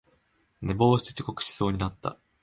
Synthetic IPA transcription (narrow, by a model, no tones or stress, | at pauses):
ne̞bo̞ːɕi̥t͡s̪e̥t͡ɕi̥ko̞kɯ̟̥ɕi̥so̞ːɲ̟inat̪ːa̰